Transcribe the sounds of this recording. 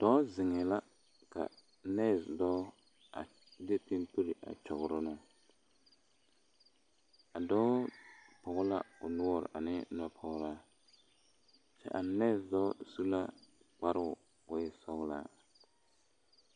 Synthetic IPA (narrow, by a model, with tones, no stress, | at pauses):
d̥ɔ˦zɪ˨ŋɛ˨la˦ | ka̰˨ | nɛ˦˨zdɔː˦ | a˨ | de˦pɪ˦mpu˦ɾi˨ʔa̰˨t͡ʃɔ˨ɣʊ˨ɾʊ˦nʊ˦ | a˨dɔː˦pʊ˨ɣʊ˦la̰˦ʊ˨nʊ˦ɔ˦ɾ̰ʔa˨nɪ˦nɔ˦pʰɔ˦ɣɾaː˦ | t͡ʃɛ̰˦ʔa˨nɛ˦˨zdɔ˦su˦la˦ | k͡pa˦ɾɪ˦ʊ˨ | wʊ˦ɪ˦sɔ˦ɣla̰ː˦